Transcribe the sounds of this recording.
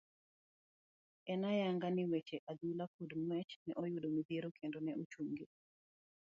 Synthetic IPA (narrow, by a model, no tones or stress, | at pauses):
ɛnajaŋɡanɪwet͡ʃeʔad̪ulakudmwɛt͡ʃnɛʔɔjʊdomid̪ieɾokʰendonɛʔot͡ʃuŋɡe